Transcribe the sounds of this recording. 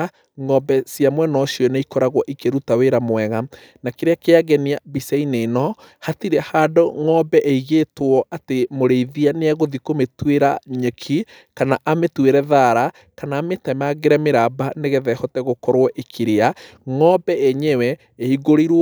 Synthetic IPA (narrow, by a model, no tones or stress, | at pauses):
ŋɔbɛsiamwɛnɔʃjɔneikɔɾaɣwɔʔikeɾutaweɾamwɛɣa | nakeɾeakeaɣɛniabisɛinenɔ | hatiɾɛhaːdɔŋɔbɛʔeiɣetwɔʔatemoɾeiðianeaɣoðikometweɾaɲekʰi | kanaʔametweɾɛðaɾa | kanaːmetɛmaɣeɾɛmeɾabaneɣɛðɛhɔtɛɣokɔɾwɔʔekʰiɾeaŋɔbɛɛɲɛwɛ | eiɣoɾiɾw